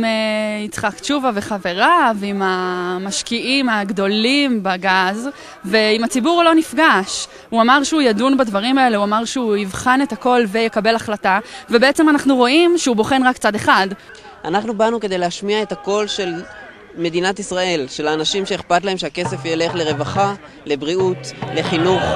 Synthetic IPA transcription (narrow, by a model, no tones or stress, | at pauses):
meit͡sχakt͡ʃuvaveχave̞ʁaveimamaʃkiʔimaɡdo̞limbaɡaz | ve̞imat͡sibuʁlonifɡaʃ | uamaʁʃɛujadunbadvaʁimae̞le̞uamaʁʃeuivχanethako̞lvejekabe̞laχlatave̞beet͡se̞manaχnuʁo̞ʔimʃeubo̞χe̞nʁakt͡sade̞χad | ʔanaχnubanuke̞d̪ejleaʃmiae̞tako̞lʃe̞l | me̞d̪inatisʁae̞lʃe̞laːnaʃimʃeeχpat̪lae̞mʃeake̞se̞fjele̞χleʁe̞vaχa | le̞bʁiut̪le̞χinuχ